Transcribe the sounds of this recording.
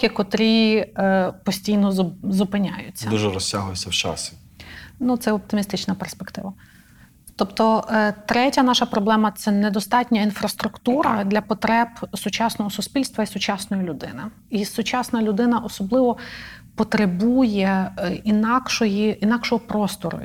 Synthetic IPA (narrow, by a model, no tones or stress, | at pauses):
kʲikɔt̪ɾʲi | pɔsʲtʲijnɔzʊpɪnʲajʊ̰t͡sʲːd̪uʒɛɾɔsʲtʲaɦʊjesʲɐwt͡ʃa̰sʲɪ | nut̪sɛɔp̚t̪ɪmʲist̪ɪt͡ʃnɐperspekt̪ɪ̰ʋɐ | t̪ɔpt̪ɔt̪ɾɛtʲɐnɑʃɐpɾɔblˠɛmɐt̪sɛned̪ɔst̪ɑtʲnʲɐinfɾɐst̪ɾʊkt̪uɾɐd̪lʲɐpɔt̪ɾɛbsʊt͡ʃɑsnɔɦɔsʊspʲilʲst̪ʋɐisʊt͡ʃɑsnɔjilʲʊd̪ɪ̰nɪ | isʊt͡ʃɑsnɐlʲʊd̪ɪnɐʔɔsɔblˠɪʋɔ | pɔt̪ɾebujɛinɑkʃɔjiʔinɑkʃɔɦɔpɾɔst̪ɔɾʊ̰